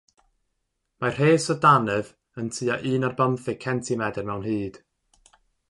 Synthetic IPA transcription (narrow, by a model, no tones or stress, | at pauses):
mar̥heːsɔdanɨv | əntʰɨːaʔɨːnɔrbəmθɪkʰɛntʰimɛdɛrmɛwnhɨːd̥